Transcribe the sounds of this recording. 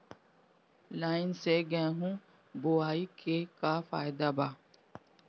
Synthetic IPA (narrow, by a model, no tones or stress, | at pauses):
laːɪnseɡɛ̃ɦũ | boaːikekafa̰ːjd̪abaː